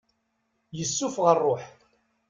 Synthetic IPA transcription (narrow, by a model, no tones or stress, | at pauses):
jəsːʊfʁərˤːoħ